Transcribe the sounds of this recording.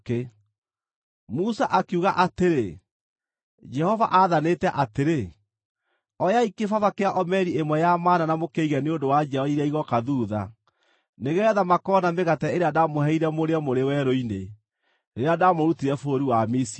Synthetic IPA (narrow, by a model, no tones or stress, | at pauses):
e | musaʔakuɣaʔateɾe | d͡ʒɛhɔva̰ʔaðanetɛʔateɾe | ɔjaikefavakeaʔɔmɛɾiemwɛjamaːnanamokeiɣɛneondowad͡ʒɛɔaiɾaiɣɔkaðuːða̰ | neɣɛɛðamakɔːnameɣatɛeɾeadamohɛiɾɛmoɾeɛmoɾewɛɾoine | neɾeadamoɾutiɾɛfoːɾiwamisi